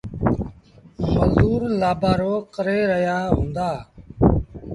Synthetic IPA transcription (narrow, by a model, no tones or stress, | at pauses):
məzd̪uːɾlaːbaːɾoːkəɾeːɾəɦjaːɦũːnd̪aː